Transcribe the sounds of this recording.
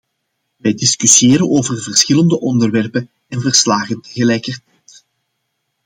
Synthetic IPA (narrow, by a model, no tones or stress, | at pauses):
ʋɛjdɪskysiɪːɾənoːvərvərsxɪləndəʔɔndərʋɛrpən | ɛnvərslaːɣəntəɣəlɛjkərtɛjt